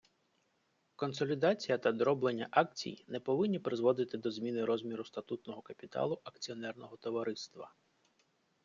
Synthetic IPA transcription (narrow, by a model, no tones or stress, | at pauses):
kɔnsɔlʲid̪ɑt͡sʲijɐt̪ɐd̪ɾɔblenʲːɐʔɑk̚t͡sʲḭjnɛpɔʋɪnʲːipɾɪzʋɔd̪ɪt̪ɪd̪ɔzʲmʲinɪɾɔzʲmʲiɾʊst̪ɐt̪ut̪nɔɦɔkɐpʲit̪ɑ̰lˠʊʔɐkt͡sʲiɔnɛrnɔɦɔt̪ɔʋɐɾɪst̪ʋɐ